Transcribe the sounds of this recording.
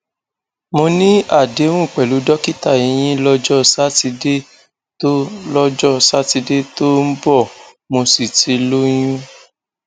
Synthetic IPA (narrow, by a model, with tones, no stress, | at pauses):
mo˧nĩ˦a˦˨de˨˦w̃ũ˦˨k͡pɛ˨lu˨˦dɔ˦ki˦ta˦˨i˨j̃ĩ˦lɔ˦d͡ʒɔ˦sa˦ti˧de˦ | to˦lɔ˦d͡ʒɔ˦sa˦ti˧de˦to˦m̩˦bɔ˦˨ | mo˧si˨ti˧lo˦j̃ũ˦